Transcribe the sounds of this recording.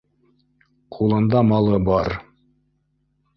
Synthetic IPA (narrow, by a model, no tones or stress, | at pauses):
qʰulˠɤ̆nd̪ɑmɑlˠɤbɑɾ